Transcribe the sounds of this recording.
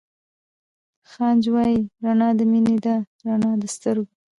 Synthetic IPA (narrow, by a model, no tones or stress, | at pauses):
xɑnd͡ʒwɑjiɾanɑd̪əmined̪a | ɾanɑd̪əst̪əɾɡo